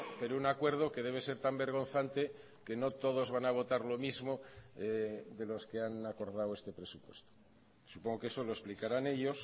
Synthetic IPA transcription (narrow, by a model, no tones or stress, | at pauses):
peɾounakwe̞ɾð̞o̞ke̞ð̞e̞β̞e̞se̞ɾt̪ambe̞ɾɣ̞o̞nθant̪e̞ | ke̞no̞t̪o̞ð̞o̞zβanaβ̞o̞t̪aɾlo̞mizmo̞ | d̪e̞lo̞ske̞anako̞ɾð̞awe̞st̪e̞pɾe̞supwe̞st̪o̥ | supoŋɡo̞keeso̞lo̞esplikaɾane̞ʎo̞s